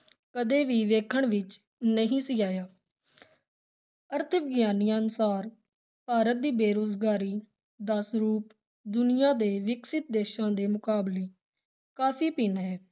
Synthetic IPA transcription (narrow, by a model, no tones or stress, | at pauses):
kəd̪eːʋiːʋeːkʰəɳʋɪt͡ʃ | nəɦĩːsiːaːjaː | əɾt̪ʰəʋɪɡjaːniːaːnʊsaːɾ | paːɾət̪̚d̪iːbeːɾoːzɡaːɾiː | d̪əsɾuːp | d̪ʊnɪjãːd̪eːʋɪksɪt̪̚d̪eːʃãːd̪eːmʊkaːbleː | kaːpʰiːpiːnɦɛː